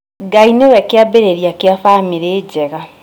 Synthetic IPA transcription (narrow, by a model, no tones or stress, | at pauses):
ɡainewɛkeabeɾeɾiakeafameɾeːd͡ʑɛɣa